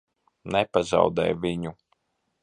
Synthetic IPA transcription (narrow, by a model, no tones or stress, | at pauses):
nɛpaza̰wd̪ɛ̰jvʲiɲu